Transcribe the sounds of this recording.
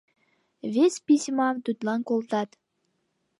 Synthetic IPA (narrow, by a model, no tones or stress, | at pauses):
vesʲpisʲmɑd̪yt̪lɑnkolt̪ɑt̪